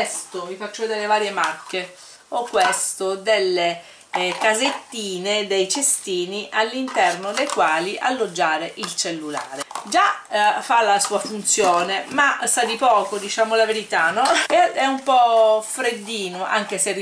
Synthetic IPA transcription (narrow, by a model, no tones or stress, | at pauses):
st̪ovifat͡ʃːod̪elːevaːɾjemakːe | okːwest̪od̪elːe | kazet̪ːiːned̪ejt͡ʃest̪iːniʔalːint̪ɛrnod̪ejkwaːliʔa̰lːod͡ʒːaːɾeʔilt͡ʃelːula̰ːɾed͡ʒafalasuːafunt̪sjoːnemasad̪ipɔːkod̪it͡ʃaːmolaveɾit̪anːɔeɛumpɔfɾed̪ːiːnoʔa̰ŋk̟eseri